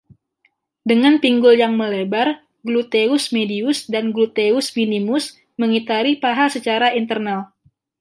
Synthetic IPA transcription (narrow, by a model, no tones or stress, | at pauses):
dəŋanpiŋɡʊljaŋməlebar | ɡlut̪eʊsmediʊsdanɡlut̪eʊsminimʊs | məŋit̪aɾipaɦasət͡ʃaɾaint̪ərnal